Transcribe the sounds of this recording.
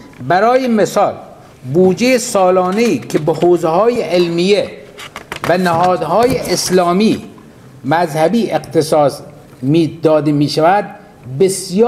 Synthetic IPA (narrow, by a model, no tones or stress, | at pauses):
bæɾɒːjemesɒːl | buːd͡ʒejesɒːlɒːneiːkʰebehoːzehɒːjeʔelmije | vænæhɒːd̪hɒːjeʔeslɒːmiː | mæzhæbiːʔeqt̪ʰesɒːs | miːd̪ɒːd̪emiːʃævæd̪̚ | besjː